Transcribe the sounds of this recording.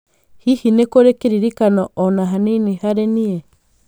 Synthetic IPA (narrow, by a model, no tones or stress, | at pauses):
hihinekoɾekeɾiɾikanɔʔːnaɦaninihaɾenie